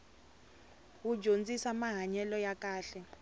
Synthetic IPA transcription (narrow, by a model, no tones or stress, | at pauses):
wu̥d͡ʒʱont͡sʼisamaɦaɲɛlɔjak̬ʼaːɬɛ